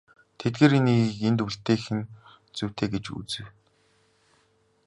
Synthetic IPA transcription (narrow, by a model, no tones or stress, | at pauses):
t̪ʰet̪̚ɡeːɾiniɣiːkent̪uɬt̪ːeːxɘ̆n | t͡sɵw̥ʲt̪ʰeːɡet͡ɕṵt͡sɘ̆w